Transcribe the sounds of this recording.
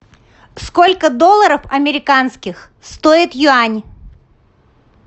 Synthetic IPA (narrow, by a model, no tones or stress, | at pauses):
skolʲkəd̪olˠəɾəfɐmʲɪɾʲɪkanskʲɪx | st̪oɪt̪jʊanʲ